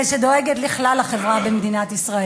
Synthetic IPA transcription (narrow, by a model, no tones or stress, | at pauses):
eʃed̪o̞eɡet̪liχlalhaχevʁabemd̪inat̪isʁae